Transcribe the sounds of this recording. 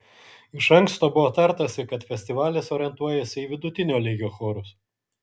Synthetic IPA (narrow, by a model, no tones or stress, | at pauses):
ɪʃɐŋkst̪oːbʊʋoːt̪ɐɾt̪ɐsʲɪkɐt̪fʲɛsʲt̪ʲɪʋɑːlʲesoːɾʲɛnt̪uɔjɛsʲɪiːʋʲɪd̪ʊt̪ʲɪnʲoːlʲɛɡʲoːxɔːɾʊs